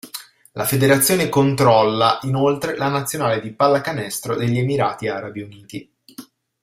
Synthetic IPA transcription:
lʔafed̪eɾat̪sːjoːnekont̪ɾɔlːaʔinolt̪ɾelanat̪sːjonaːled̪ipalːakanɛst̪ɾod̪eʎːiemiɾaːt̪iaɾabiuniːt̪i

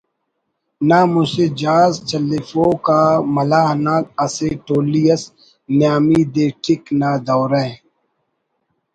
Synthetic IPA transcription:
naːmʊsed͡ʒaːzt͡ʃɐlifokaːmɐlaːɦnaːk̚ɐseʈoːlijəs | njaːmid̪eːʈʰɪknad̪ɔːɾɛ̃

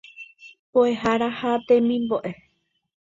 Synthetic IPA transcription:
poeɦaɾahat̪ẽmĩmboʔe

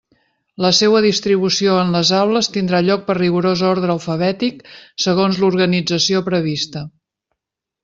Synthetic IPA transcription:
ləsewəðist̪ɾiβ̞usioənləzawləst̪ind̪ɾaʎɔk̚pərriɣuɾozoɾðɾəːlˠfəβɛt̪iksəɣ̞onzluɾɣənid͡zəsiopɾəβ̞ist̪ə

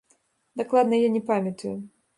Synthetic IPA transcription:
d̪aklˠad̪nɐjanʲɛpamʲjɐt̪uju

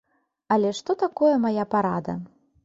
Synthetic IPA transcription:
ɐlʲɛʂt̪ɔt̪akɔjɛmajapaɾad̪ɐ̰

